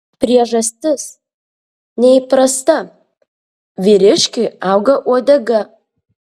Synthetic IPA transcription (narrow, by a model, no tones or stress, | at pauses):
pʲɾʲiɛʒɐsʲt̪ʲɪs | nʲɛipɾɐst̪ɐ | ʋʲiɾʲɪʃʲkʲɪɑˑʊɡɐʔuɔd̪ʲɐɡɐ